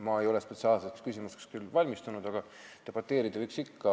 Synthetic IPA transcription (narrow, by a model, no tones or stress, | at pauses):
mɑe̞jo̞lespe̞t̪siɑːlsekskysʲimusekskylvɑlʲmist̪unud̪̥ɑɡ̥ɑ | t̪e̞b̥ɑt̪ːe̞ːɾid̪̥ɑvɤjksikːɑ